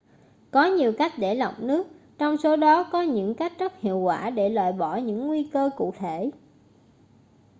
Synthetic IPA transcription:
kɔ˨˦ɲi˨˩əwka˦˥jk̟̚ɗe˧˩la̰˨˩wk͡p̚nɨ˦˥ək̚ | t͡ɕɔ˧wŋ͡mso˨˦ɗɔ˨˦kɔ˨˦ɲɨ̰˧˥ŋka˦˥jk̟̚zə˦˥t̚hḭ˧˨əwkwaː˧˩ɗe˧˩lwa̰ː˧˨jɓɔ˧˩ɲɨ̰˧˥ŋːwi˧kəː˧kṵ˧˨t̪ʰe˧˩˨

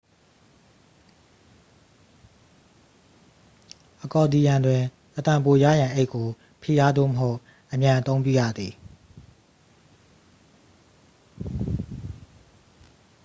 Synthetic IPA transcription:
ʔəkɔ˨d̪i˨jã˨ndwɪ̃˨ | ʔət̪ã˨mpo˨ja̰˦˨jã˨ʔe˦ɪʔkːo˨ | pʰi˦˨ja˦d̪o̰˦˨məɦo˦ʊʔ | ʔəmjã˨ʔət̪õ˦ʊ̃pjṵ˦˨jä̰˦˨d̪ði˨

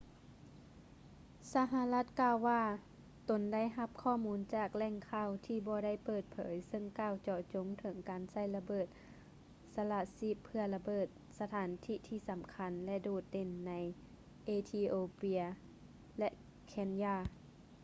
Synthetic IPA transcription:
sa˧ɦa˧la˧˥˩t̪̚kaː˧˨wːaː˧˩ | t̪o˨˦nda˥˩˨jɦa˧˥p̚kʰɔː˧˩˨muː˨˦˥nt͡ɕaː˧˩k̚lɛː˧˥˨ŋkʰaː˧˩˨wt̪ʰiː˧˩bɔː˧˦da˥˩˨jpɤː˧˩t̪̚pʰɤ̰ː˨˦jsɤ˧˨ŋkaː˧˩˨wt͡ɕɔː˧˩t͡ɕo˨˧˦ŋt̪ʰɤ˩˦ŋkaː˨nsa˧˥˩jla˧bɤː˧˩t̪̚ | sa˧la˧˩si˧˩pʰːɯ˧ɐla˧bɤː˧˩t̪̚sa˧t̪ʰaː˨˦nt̪ʰiː˧˥t̪ʰiː˧˩sa˨˦mkʰa˧˥nlɛ˧doː˧˨˩t̪̚de˧˩nːa˨˧˦j | ʔeː˧t̪ʰiː˧ʔoː˧pi˧ɐ | lɛ˧˥ʔ | kʰɛ˧njaː˧˩

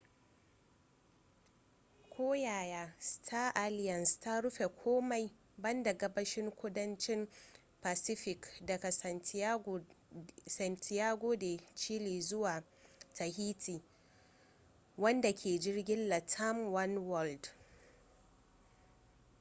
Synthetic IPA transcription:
kʷʰoː˦jaː˨jaː˦stʰaː˦ʔa˦lɪ˦jɐ˨nsta˦ɽʊ˦ɸe˨kʷʰoː˦ma˨j | bɐ˦nda˨ɡɐ˦bɐ˦ʃɪ˦ŋkʷʊ˦dɐ˦nt͡ʃɪ˦m | pa˨sɪ˦ɸɪ˨kdɐ˨ka˨ | sɐ˨ntʰɪ˨jaː˦ɡʷoː˦de˨t͡ʃiː˦liː˨zʊ˦waː˨ | tʰa˨hiː˦tʰiː˨ | wɐ˦nda˨kʲʰeː˨d͡ʒɪ˦rɡʲɪ˦nla˨tʰɐ˦mwɐ˦nwɔ˦ld

